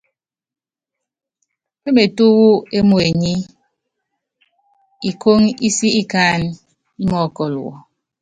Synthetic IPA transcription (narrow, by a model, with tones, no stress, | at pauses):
me˦me˨tu˦wu˦e˦mo˦e˨ɲi˦ | i˨kʰo˦ŋi˦si˦i˦ka˦n | i˦mɔ˦˨kɔ˨lṵ˨wɔ̰˨